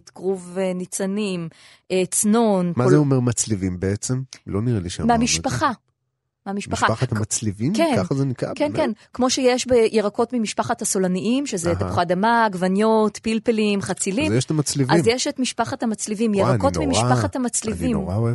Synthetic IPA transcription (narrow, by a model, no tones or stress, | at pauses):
tɡ̥ʁuvenit͡sanim | ʔet͡sno̞nmazeomeʁmat͡slivimbeet͡semloniʁeliʃa̰meamiʃpaχa | meamiʃpaʃχaaχatamat͡slivimkeknaχazenika̰kenenkmo̞ʃejeʃbejʔeʁako̞tmimiʃpaχathaso̞laniʔimʃezetapu̥χadamaɡvanjotpilpelimχat͡silimjeʃt̪amat͡slivizjeʃetmiʃpaχathamat͡slivimjeʁako̞nmimiʃpaχathamat͡slivimno̰ʁaoe